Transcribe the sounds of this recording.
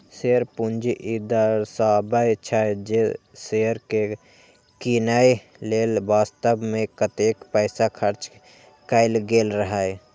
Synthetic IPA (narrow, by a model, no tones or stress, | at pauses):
seəɾpund͡ʒiʔid̪əɾsaːbajt͡ʃʰajd͡ʒeseəɾke | kinaːi | leːlbaːst̪əbmẽkət̪eːkpəɪsakʰəɾt͡ʃ | kaɪlɡeːlɾəɦae